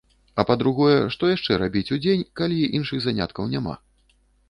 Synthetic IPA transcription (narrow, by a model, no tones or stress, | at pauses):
ɐpɐd̪ɾuɣɔjɛʂt̪ɔjaʂt͡ʂɛɾabʲit͡sʲud͡zʲenʲkalʲiʔinʂɨɣzanʲa̰t̪kɐwnʲama̰